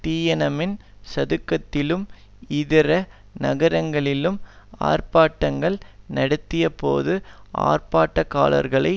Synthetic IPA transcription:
t̪iːjɐnɐmɪnsɐðɯkːɐt̪ːɪlɯm | ɪðɪɾɐ | nɐɣɐɾɐŋɡɐɭɪlɯm | a̰ːɾpaːʈːɐŋɡɐɭnɐɽɯt̪ːɪjɐpo̰ːðɯʔa̰ːrpaːʈːɐka̰ːlɐ̰ɾɣɐɭɐ̰ɪ

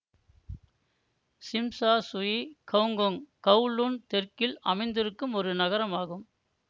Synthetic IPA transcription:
sɪmsaːsʊjikʰɐʋŋɡɔŋkɐʊɭuːnt̪ɛrkɪlɐ̰mɐɪnd̪ɪɾɯkːɯmɔɾɯnɐɣɐɾɐmaːɣɯm

